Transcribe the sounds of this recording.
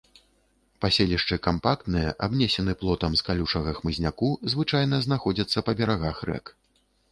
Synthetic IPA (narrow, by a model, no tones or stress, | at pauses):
pasʲelʲiʂt͡ʂɨkampak̚t̪nɨjɛʔabnʲɛsʲɛnɨplˠɔt̪ɐmskalʲuʂɐɣɐxmɨzʲnʲakuzvɨt͡ʂajnɐznaxɔd͡zʲɐt̪sːɐpɐbʲɛɾaɣaxrɛ̰k